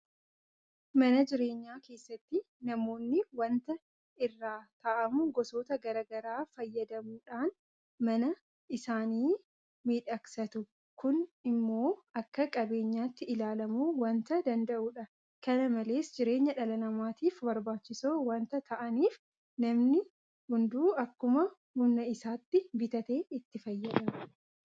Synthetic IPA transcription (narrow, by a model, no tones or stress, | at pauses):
mɐnɐd͡ʒɪɾe̞ːɲːaːke̞ːsːɐt̪ːɪ | nɐmo̞ːnːɪwɐnt̪ɐ | ɪrːaːt̪ɐʔɐmʊɡɔso̞ːt̪ɐɡɐɾɐɡɐɾaːfɐjːɐd̪ɐmuːᶑaːn | mɐnɐ | ɪsaːniː | miːᶑɐksɐt̪ʊ | kʊnɪmːo̞ːɐkːɐkʼɐbe̞ːɲːaːt̪ːɪɪlaːlɐmuːwɐnt̪ɐd̪ɐnd̪ɐʔuːᶑɐ | kɐnɐmɐle̞ːsd͡ʒɪɾe̞ːɲːɐᶑɐlɐnɐmaːt̪iːfbɐɾbaːt͡ʃːɪsoːwɐnt̪ɐt̪ʰɐʔɐniːf | nɐmnɪ | hʊnd̪uːɐkːʊmɐ | hʊnːɐɪsaːt̪ːɪbɪt̪ɐt̪e̞ːɪt̪ːɪfɐjːɐᶑɐmʊ